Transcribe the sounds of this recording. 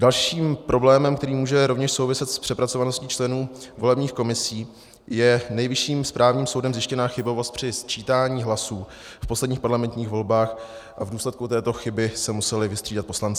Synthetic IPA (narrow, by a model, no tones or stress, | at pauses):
dalʃiːmpɾo̞blɛːmɛmk̚t̪ɛɾiːmuːʒɛɾo̞vɲɛʃso̞wvɪsɛt̪spr̥ɛpɾat͡so̞vanoscit͡ʃlɛnuːvo̞lɛbɲiːxko̞mɪsiː | jɛnɛjvɪʃiːmspɾʔaːvɲiːmso̞wdɛmzjɪʃcɛnaːxɪbo̞vo̞st̪pr̝̥ɪst͡ʃiːt̪aːɲiːɦlasuː | fposlɛdɲiːxpaɾlamɛnt̪ɲiːxvo̞lbaːxʔavduːslɛt̪̚kut̪ɛːt̪o̞xɪbɪsɛmusɛlɪvɪst̪r̥iːdat̪̚po̞slant͡sɪ